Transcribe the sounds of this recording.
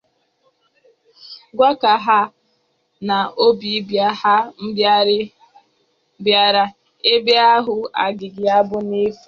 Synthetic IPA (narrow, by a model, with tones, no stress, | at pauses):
ɡʷa˦ka˨ɦa˦ | na˨o˦bi˨˦ba˦ha˦m̩˦ | bja˦ɾa˦ | e˦be˦a˦ɦʊ˨a̰˨ɡɪ˨ɡɪ˨a˦bʊ˦ni˦fu˨